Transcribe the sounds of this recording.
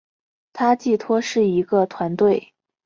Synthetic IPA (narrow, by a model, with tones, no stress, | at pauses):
t̪ʰa˥t͡ɕi˥˩t̪ʰwɔ˥ʂɻ̩˥˩i˧˥ɡə˧t̪ʰwa˧˥nt̪we˥˩ɪ